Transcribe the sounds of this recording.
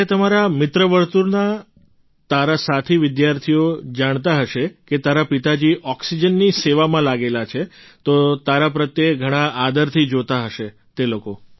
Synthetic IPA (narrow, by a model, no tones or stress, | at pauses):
et̪əmaɾamɪt̪ɾəʋəɾt̪uɾna | t̪aɾasat̪ʰiʋɪd̪jaɾt̪ʰijod͡ʒaɳ̃t̪aɦəʃeket̪aɾapit̪ad͡ʒiʔɔksid͡ʒənːiseʋamãlaɡelat͡ʃʰe | t̪ot̪aɾapɾət̪jeɡʱəɽ̃aʔad̪əɾt̪ʰid͡ʒot̪aɦəʃe | t̪eloko